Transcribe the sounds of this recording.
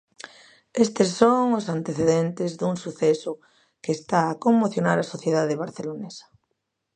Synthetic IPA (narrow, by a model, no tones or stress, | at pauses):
est̪esːoŋʊsant̪eθeðent̪ezðuŋsuθesʊ | keːst̪aːkoŋmoθjonaɾasoθjeðaðeβaɾθelonesḁ